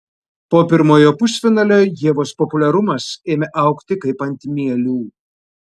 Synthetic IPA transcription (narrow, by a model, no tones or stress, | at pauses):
poːpʲɪɾmoːjoːpʊsʲfʲɪnɐlʲoːjʲiɛʋoːspɔpʊlʲɛɾʊmɐseːmʲeʔɐˑʊkt̪ʲɪkɐɪpɐnʲt̪ʲmʲiɛlʲuː